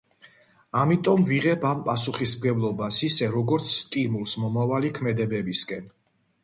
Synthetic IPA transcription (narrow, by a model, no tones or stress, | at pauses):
amit̪ʼɔmviʁɛbʰampʼasuχismɡɛblˠɔbasisɛɾɔɡɔɾt̪sʰst̪ʼimulˠsmɔmavalikʰmɛd̪ɛbɛbiskʼɛn